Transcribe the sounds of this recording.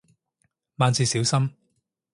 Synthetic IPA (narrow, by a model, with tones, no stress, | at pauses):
maː˨˧nt͡siː˧siː˨˥wsɐ˥m